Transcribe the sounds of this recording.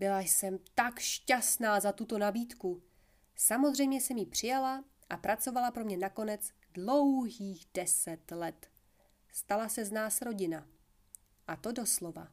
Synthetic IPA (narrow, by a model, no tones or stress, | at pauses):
bɪlajsɛmt̪akʃcasnaːzat̪ut̪o̞nabiːt̪ku | samo̞zrɛjmɲɛsɛmjipr̝̥ɪjala | ʔapɾat͡so̞valapɾo̞mɲɛnako̞nɛt͡s | dlo̞wɦiːɣdɛsɛt̪lɛt̪ | st̪alasɛznaːsɾo̞ɟɪna | ʔat̪o̞do̞slo̞va̰